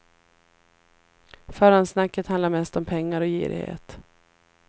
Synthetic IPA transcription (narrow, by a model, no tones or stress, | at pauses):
fœːɾansnakːət̪hand̪aɾmɛst̪ɔmpʰɛŋːaɾɔjḭːɾɪ̰hḛːt̪